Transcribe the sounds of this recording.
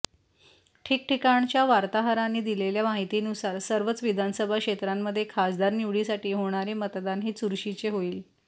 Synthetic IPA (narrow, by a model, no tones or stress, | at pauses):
ʈʰiːk̚ʈʰikaɳt͡ɕjaʋaɾt̪aɦəɾanːiːd̪ileljamaɦit̪iːnusaɾsəɾʋət͡sʋid̪ʱansəbʱakʂet̪ɾamːəd̪ʱːjekʰasd̪aɾnuʋɽiːsaʈiːɦoɽ̃aɾemət̪d̪anɦiːt͡suɾɕit͡ɕeɦoiːl